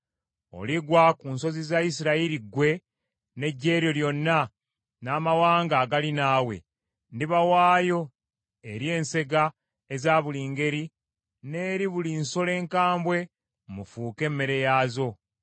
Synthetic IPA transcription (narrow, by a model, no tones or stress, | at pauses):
o̞̰liɡwakunso̞zizaisiɾaiɾiɡwe̞ | ne̞ɟːe̞ːɾjo̞ljo̞nːa | naːmawaːŋɡaːɡalinaːwe̞̰ | ndiβawaːjo̞ | eɾje̞ːnse̞ɡa | ezaːβuliːŋɡe̞ɾi | ne̞ːɾiβulinso̞le̞ːŋkaːmbwe̞ | mufuːke̞mːe̞ɾe̞jaːzo̞